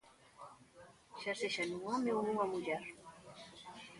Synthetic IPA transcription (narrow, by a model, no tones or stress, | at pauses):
ʃaseʃanũamewnũamuʎɛɾ